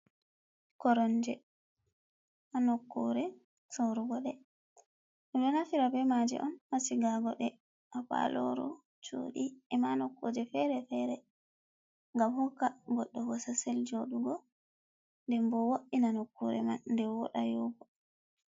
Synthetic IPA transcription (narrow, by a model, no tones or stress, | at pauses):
kɔɾɔnd͡ʒɛ | ʔanɔkːuɾɛ | soɾuɡɔɗɛ | ɛɗɔnafiɾabɛmad͡ʒɛ̰ʔɔnhasiɡaɡɔɗɛ | ʔapa̰lɔ̰ɾɔ̰ | t͡ʃo̰ɗiɛmanɔkːo̰d͡ʒɛfɛɾɛfɛɾɛ | ŋɡamhɔkːaɡɔɗːɔɡɔsaseld͡ʒoɗuɡɔ | ndɛmbɔwoɗinanokːuɾɛ̰mandɛwɔ̰ɗajoɡɔ